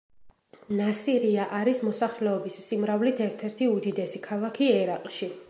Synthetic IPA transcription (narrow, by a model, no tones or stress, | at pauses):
nasiɾiaʔaɾismɔsaχlɛɔbissimɾavlit̪ʰɛɾt̪ʰɛɾt̪ʰiud̪id̪ɛsikʰalˠakʰiɛɾaqʼʃi